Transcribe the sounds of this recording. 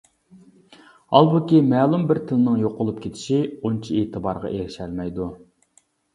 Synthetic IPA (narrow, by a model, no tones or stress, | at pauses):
ɑ̰lˠbukʲimɛːlˠumbɪɾt̪ʰɪlɪnɨŋjoqʊlˠup̚kʲʰet̪ʰɪ̥ʃiont͡ʃʰieːt̪ʰɨbɑɾʁɑ̰ʔeɾɪʃælmɛjd̪u